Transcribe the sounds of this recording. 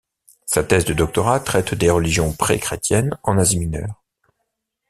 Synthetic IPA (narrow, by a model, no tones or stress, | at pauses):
sat̪ɛzd̪əd̪ɔk̚t̪ɔʁat̪χɛt̪d̪eʁəliʒjɔ̃pχɛ̰kχet̪jɛnɑ̃naziminœ̰ːʁ